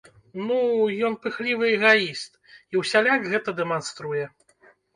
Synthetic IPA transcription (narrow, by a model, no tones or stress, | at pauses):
nujɔnpɨxlʲivɨɛɣaist̪ | iwsʲalʲakɣɛt̪ɐd̪ɛmanst̪ɾujɛ